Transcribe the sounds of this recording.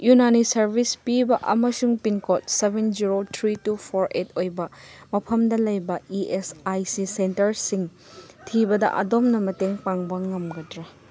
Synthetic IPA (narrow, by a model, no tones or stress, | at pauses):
junanisɐɾbʱispibɐʔɐ̰mɐsuŋpinkʰot̚sebʱend͡ʒiɾotʰɾitupʰoɾetʰojbɐmɐpʰɐmdɐlɐjbɐiesajsisentɐɾsiŋ | tʰibɐdɐ̰ʔɐ̰domnɐmɐteŋpaŋbɐŋɐmɡɐdɾɐ